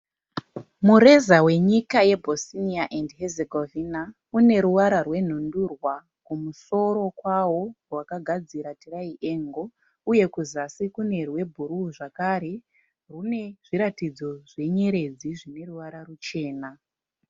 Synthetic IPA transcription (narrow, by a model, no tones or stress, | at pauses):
muɾe̞zawe̞ɲikaje̞bʱosiniaʔendɦezeɡʱovina | une̞ɾuʋaɾarwe̞n̤ondurwa | kumuso̞ɾo̞kwawo̞rwakaɡʱad͡ziɾatiraiʔe̞ːŋɡo̞ | uje̞kuzasikune̞rwe̞bʱuɾuʐakaɾe̞ | rune̞ʐ̥iɾatid͡zo̞ʐe̞ɲe̞ɾe̞d͡ziʐine̞ruʋaɾarut͡ʃe̞ːna